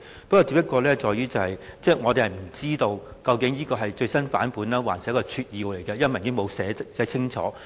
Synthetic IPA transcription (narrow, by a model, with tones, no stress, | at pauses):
pɐ˥kɔː˧˩t͡si˧˥pjɐ˥kɔː˧lɛː˥t͡ʃɔː˨jyː˥t͡sɐ˨hɐ˨jt͡sɛː˥˩ŋɔː˨˧t̪e˨jhɐ˨jm̩˨˩t͡siː˥t̪o˧wkɐ˧wkɪ˨˥ŋjiː˥kɔː˧ɦɐ˨jt͡ʃɵ˧ɥsɐ˥nfa̰ː˨˥npuː˨˥nlaː˥waː˨˩nsi˨˥kːɔː˧t͡ʃʰyː˧t̚jiː˨˧wle˨˩jkɛ˧jɐ˥ɐ˥nmɐ˨˩nː˨kɪ˥ŋmo˨˧wsɛː˨˥sɛː˨˥t͡sʰɪ˥ŋt͡ʃʰɔ̰ː˨˥